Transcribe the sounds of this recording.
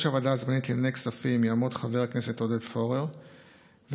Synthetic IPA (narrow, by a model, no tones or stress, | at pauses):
ʃavadazmanitlenejksafimjaamotχaveʁkne̞se̞todetfo̞ʁeʁ | v